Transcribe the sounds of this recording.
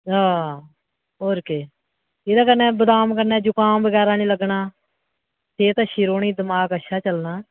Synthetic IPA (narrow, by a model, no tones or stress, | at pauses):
aː | ɦoːɾkeː | ɪd̪aːkənɛːbəd̪aːmkəɾnɛːd͡ʒoːkaːmbəɡɛːɾaːnĩːləɡnaː | seːt̪ãːʃiːɾoːɳiːd̪əmaːkəʃʰaːt͡ʃəlnaː